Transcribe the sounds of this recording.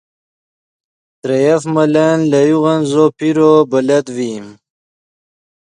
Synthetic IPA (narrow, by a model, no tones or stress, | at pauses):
t̪ɾejafmɐlanlɐjuɣanzopiɾobɐlɐd̪wim